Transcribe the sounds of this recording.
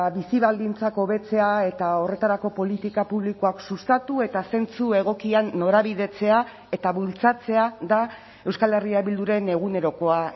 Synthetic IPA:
βisiβald̪int͡sako̞βe̞t͡se̞ae̞t̪ao̞re̞t̪aɾako̞po̞lit̪ikapuβlikuaksust̪at̪ue̞t̪ase̞nt͡sue̞ɣ̞o̞kianːo̞ɾaβiðe̞t͡se̞a | e̞t̪aβult͡sat͡se̞aða | ewskale̞riaβild̪uɾe̞ne̞ɣ̞une̞ɾo̞ko̞a

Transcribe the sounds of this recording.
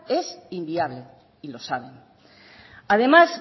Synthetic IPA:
e̞simbiaβ̞le̞ | ilo̞saβ̞en | að̞e̞mas

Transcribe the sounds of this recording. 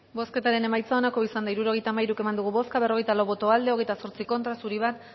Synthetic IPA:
bo̞ske̞t̪aɾe̞ne̞majt͡sao̞nako̞isand̪aiɾuɾo̞ɣe̞jt̪aːmaiɾuke̞mand̪uɣ̞uβo̞skaβe̞roe̞jt̪alawβo̞t̪o̞ald̪e̞o̞ɣe̞jt̪aso̞ɾt͡siko̞nt̪ɾasuɾiβ̞at̪

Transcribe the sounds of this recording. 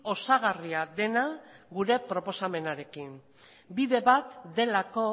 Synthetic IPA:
o̞saɣ̞ariaðe̞naɣuɾe̞pɾo̞po̞same̞naɾe̞kin | biðe̞βat̪d̪e̞lako̞

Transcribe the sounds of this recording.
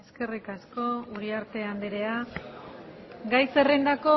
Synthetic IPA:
eske̞rikasko̞uɾiaɾt̪e̞and̪eɾe̞a | ɡajse̞rind̪ako̞

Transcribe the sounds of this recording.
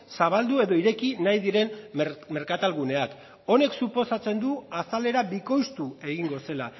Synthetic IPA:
saβ̞ald̪ue̞ðo̞iɾe̞kinajðiɾe̞nme̞ɾkat̪alɣune̞ak | o̞ne̞ksupo̞sat͡se̞nd̪uasale̞ɾaβiko̞jst̪ue̞ɣiŋɡo̞se̞la

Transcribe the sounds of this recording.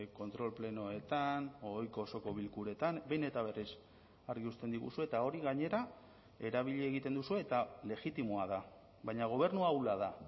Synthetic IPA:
ko̞nt̪ɾo̞lple̞no̞et̪anoojko̞ːso̞ko̞β̞ilkuɾe̞t̪anbe̞ne̞t̪aβ̞e̞ris | aɾɣiust̪e̞nd̪iɣṵsue̞t̪ao̞ɾiɣaɲe̞ɾa | e̞ɾaβ̞iʎeːɣit̪e̞nd̪usue̞ːt̪ale̞ɣit̪imoaða | βajɲaɣ̞o̞β̞e̞ɾnuawlaða

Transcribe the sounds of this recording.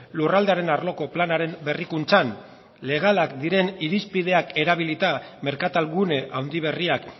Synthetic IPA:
lurald̪eaɾe̞naɾlo̞ko̞planaɾe̞mbe̞rikunt͡san | le̞ɣ̞alakd̪iɾe̞niɾispið̞e̞ake̞ɾaβ̞ilit̪ame̞ɾkat̪alɣune̞ʔawnd̪iβ̞e̞riak

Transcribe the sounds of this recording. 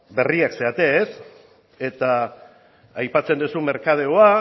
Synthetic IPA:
be̞riakse̞at̪e̞ːs | e̞t̪aː | jpat͡se̞nd̪usume̞ɾkað̞eoa

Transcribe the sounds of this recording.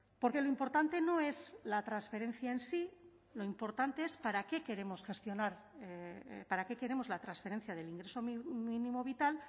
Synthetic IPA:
po̞ɾke̞lo̞impo̞ɾt̪ant̪e̞no̞e̞zlat̪ɾansfe̞ɾe̞n̟θjaensi | lo̞impo̞ɾt̪ant̪e̞espaɾake̞ke̞ɾe̞mo̞sχe̞st̪jo̞naɾepaɾake̞ke̞ɾe̞mo̞zlat̪ɾansfe̞ɾe̞n̟θjaðe̞liŋɡɾe̞so̞mmĩnĩmo̞β̞it̪al

